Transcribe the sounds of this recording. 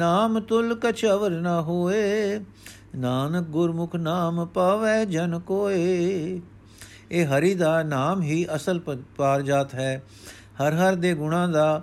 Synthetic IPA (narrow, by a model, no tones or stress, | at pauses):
naːmt̪ʊlkət͡ʃʰəʋəɾnaːɦoːeː | naːnək̚ɡʊɾmʊkʰnaːmpaːʋɛːd͡ʒənkoːeː | eːɦəɾiːd̪aːnaːmɦiːʔəsəlpaːɾd͡ʒaːt̪ɦɛː | həɾɦəɾd̪eːɡʊɽ̃ãːd̪aː